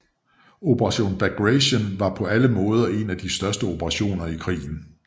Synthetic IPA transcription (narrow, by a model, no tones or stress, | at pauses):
o̝pʰəʁɑ̈ɕo̝̰ːnb̥æɡ̥ʁeɕənʋɑ̈pʰɒ̽æləmɔ̽ːð̞ˠɐe̝næd̥isd̥ɶɐsd̥əo̝bʰəʁɑ̈ɕo̝̰ːnɐikʰʁḭːn̩